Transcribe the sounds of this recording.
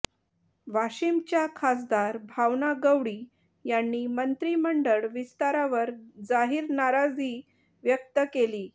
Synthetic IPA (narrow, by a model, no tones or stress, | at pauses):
ʋaɕimt͡ɕjakʰasd̪aɾbʱaʋnaɡəʋɽiː | janːiːmənt̪ɾiːməɳɖəɭʋist̪aɾaʋəɾd͡zaɦiːɾnaɾad͡ziː | ʋjək̚t̪əkeliː